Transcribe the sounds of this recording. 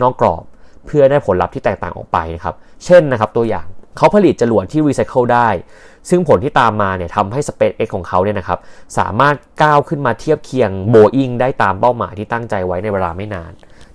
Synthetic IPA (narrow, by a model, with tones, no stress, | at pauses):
nɔː˥˩kːlɔ̰ː˨˩p̚ʰːɯ˥˩ɐdaː˥˩jpʰo˩˦nla˦˥p̚t̪ʰiː˥˩t̪ɛː˨˩kt̪aː˨˩ʔɔ̰ː˨˩k̚pa̰˧jna˦˥kʰa˦˥p̚t͡ɕʰe˥˩nːa˦kʰa˦˥p̚t̪u˧ɐja̰ː˨˩ŋkʰa˦˥wpʰa˧li˨˩t̪̚t͡ɕa˧lu˨˩ət̪̚ʰːiː˥˩ɾiː˧sa˦˥jkʰɤ˥˩wdaː˥˩j | sɯ˥˩ŋpʰo˩˦nt̪ʰiː˥˩t̪aː˧mːaː˧ni˥˩ɐt̪ʰa˧mɦa˥˩jsa˧pe˦˥t̪ʔe˦˥kʰːɔː˩˦ŋkʰa˦˥wni˥˩ɐna˦˥kʰa˦˥p̚sa̰ː˩˦maː˥˩t̪̚kaː˥˩wkʰɯ˥˩nmaː˧t̪ʰi˥˩əp̚kʰi˧əŋboː˧ʔi˥˩ŋdaː˥˩jt̪aː˧mpa˥˩wma̰ː˩˦jt̪ʰiː˥t̪a˥˩ŋt͡ɕa˧jwa˦˥jna˧jweː˧laː˧ma˥˩jnaː˧n